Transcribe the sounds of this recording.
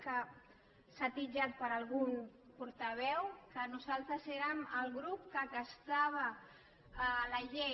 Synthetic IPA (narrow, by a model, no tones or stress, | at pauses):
kə | sat̪id͡ʒat̪̚pəɾalˠɣuŋ | puɾt̪əβ̞ɛwkənuzalˠt̪ɾəzeɾəməlɣɾup̚kəɣast̪aβ̞ə | laʎe